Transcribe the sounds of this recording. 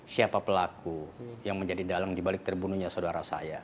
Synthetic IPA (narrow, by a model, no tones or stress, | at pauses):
siapapəlakujaŋməɲd͡ʒadidalaŋdibalɪk̚t̪ərbunuɲasaodaɾasa̰ja